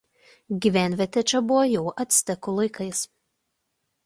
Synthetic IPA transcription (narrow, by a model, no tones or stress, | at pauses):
ɡʲiʋʲæˑnʲʋʲɛt̪ʲɛt͡ʃʲɛbʊʋɔjɛʊʔɐt̪ʲsʲt̪ʲɛkʊlˠɐɪkɐɪs